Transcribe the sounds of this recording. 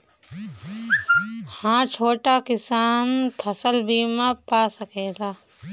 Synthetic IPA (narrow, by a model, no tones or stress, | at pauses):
hãːt͡ʃʰoːʈakɪsaːnt̪ʰɐsəlbiːmãpaːsəkeːɡaː